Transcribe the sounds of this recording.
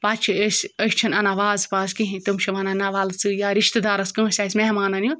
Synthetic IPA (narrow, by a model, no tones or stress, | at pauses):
pat̪t͡ʃʰiesʲəsʲt͡ʃʰɐnɐnaʋaːzpaːzkiɦĩt̪ɨmt͡ʃʰɐʋɐnanaʋaːlsɨjaɾiʃt̪ɨd̪aːɾɐskɨ̃ːsʲasʲmeɦmaːnɐnju